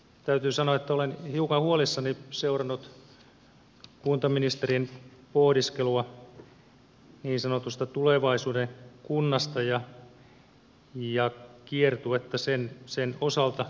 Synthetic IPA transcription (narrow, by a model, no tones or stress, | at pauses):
t̪æyt̪yːsɑnoɑet̪ːæolenhiukɑhuolisːɑniseurɑnːut̪ | kunt̪ɑminist̪erinpohdiskeluɑ | niːnsɑnot̪ust̪ɑt̪uleʋɑisuːdeŋkunːɑst̪ɑjɑ | jɑkiert̪uet̪ːæsensenosɑlt̪ɑ